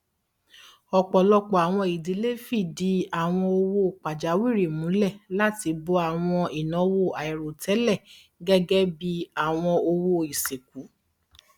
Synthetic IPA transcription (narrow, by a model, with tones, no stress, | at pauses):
ɔ˧k͡pɔ˨lɔ˧k͡pɔ˨a˨w̃ɔ̃˧i˨di˨˦le˦fi˦˨di˨˦a˦˨w̃ɔ̃˧o˧wo˧˨k͡pa˨d͡ʒa˨˦wi˦˨ɾe˨mũ˨˦lɛ˦˨la˦ti˧bo˧˦a˨w̃ɔ̃˧i˨nɔ̃˨˦wo˦˨a˨i˨ɾo˨tɛ˨˦lɛ˦˨ | ɡɛ˦ɡɛ˦bi˧a˦˨w̃ɔ̃˧o˧wo˧i˨se˨k̚u˨˦